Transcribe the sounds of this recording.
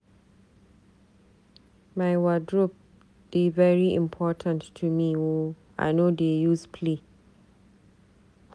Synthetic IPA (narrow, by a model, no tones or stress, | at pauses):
maɪwadɹɔp̚ | b̥ivɛɹiʔḭ̃mpʰɔtʰə̃nʰːumiwo | ʔa̰ɪnodejuspʰli